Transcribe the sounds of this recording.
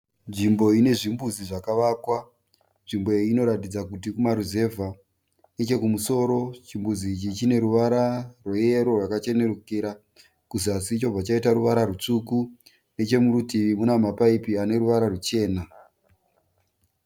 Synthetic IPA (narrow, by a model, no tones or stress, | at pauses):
nʐimbo̞ine̞ʐimbuziʐakaʋaːkwa | nʐimbo̞ino̞ɾatid͡zakutikumaɾuze̞vʱa | net͡ʃe̞kumuso̞ːɾo̞t͡ʃimbud͡ziːt͡ʃit͡ʃine̞ɾuʋaɾarwoje̞ɾo̞rwakat͡ʃe̞ne̞rukiɾa | kuziasiːt͡ʃo̞pat͡ʃaitaɾuʋaɾarut͡ʂuku | ne̞t͡ʃe̞murutiʋimunamapaipiane̞ɾuʋaɾarut͡ʃe̞ːna